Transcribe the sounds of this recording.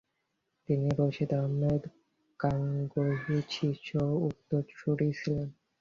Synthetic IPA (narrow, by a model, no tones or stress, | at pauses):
t̪iniɾoʃid̪aɦmed̪ | kaŋɡoɦit͡ɕʰit͡ɕʰout̪ːoɾʃʰuɽit͡ɕʰilen